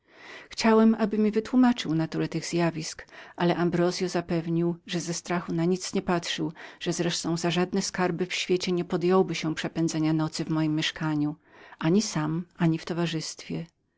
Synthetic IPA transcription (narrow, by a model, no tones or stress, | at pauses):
xt͡ɕawɛmʔabɘmʲivɘt̪wumat͡ʂɘwnat̪uɾɛt̪ɘɣz̥ʲjavʲiskʔalɛʔambɾɔzjɔzapɛvɲiwʐɛzɛst̪ɾaxunaɲit̪sɲɛpatʂɘwʐ̥ɛzɾɛʂt̪ɔ̃w̃zaʐad̪nɛskaɾbɘfɕfʲjet͡ɕɛɲɛpɔd̪jɔwbɘɕɛpʂɛpɛnd̪zɛɲanɔt̪sɘvmɔjimːjɛʂkaɲu | ʔaɲisamʔaɲift̪ɔvaʐɘst̪fʲjɛ